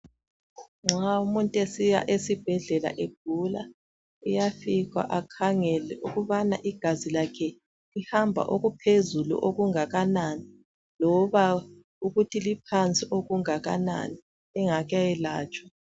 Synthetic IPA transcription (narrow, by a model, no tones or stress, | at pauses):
ŋ͡ǁʱaumuntʼesija̰ʔesib̥ʱɛɮɛla̰ʔeb̥̚ʱula | ɛjafiɣa̰ʔakʰaŋɛlɛuɣuβanaʔiɡ̥ʱazilakʰɛ | lihambʱa̰ʔoɣupʰezulṵʔoɣuŋaɣanani | lɔβa | uɣutʰilipʰant͡sʼiʔoɣuŋaɣana̰ni | ɛŋaɣajɛla̰ːt͡ʃʼwa